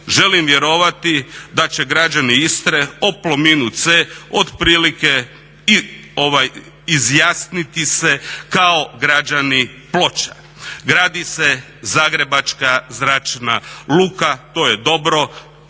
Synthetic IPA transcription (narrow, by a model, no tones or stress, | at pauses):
ʒe̞limʋje̞ɾo̞ʋat̪id̪at͡ʃe̞ɡɾad͡ʒaniist̪ɾeoplomiːnut̪seod̪pɾiːlike | oʋaj | izjaːsnit̪ise̞kao̞ɡɾad͡ʒani | plo̞t͡ʃḁ | ɡɾaːd̪ise | zaːɡɾe̞bat͡ʃkazɾat͡ʃna̰luːkat̪o̞jed̪o̞bɾo̞